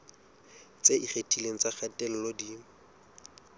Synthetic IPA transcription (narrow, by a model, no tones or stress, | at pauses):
t͡seʔiχetʰʼileŋ̩t͡saχʰatʼɛl̩lodi